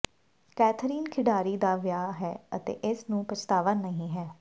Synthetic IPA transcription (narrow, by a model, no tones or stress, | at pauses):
kɛːt̪ʰɾiːnkʰɪɖaːɾiːd̪aːʋjaːɦɛːət̪ḛːʔɪsnũːpət͡ʃt̪aːʋənəɦĩːɦɛː